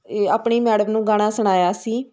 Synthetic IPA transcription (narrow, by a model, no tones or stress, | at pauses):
aːpɳiːmɛːɽəmnũːɡaːɽ̃aːsəɽ̃aːjaːsiː